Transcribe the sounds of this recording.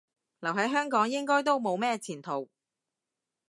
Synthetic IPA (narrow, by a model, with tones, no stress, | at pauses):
lɐ˨˩wɦɐ˨˥jɦœː˥ŋkɔː˨˥ŋjɪ˥ŋkɔː˥jt̪o˥wmo˨˧wmɛː˥t͡sʰiː˨˩nt̪ʰo˨˩w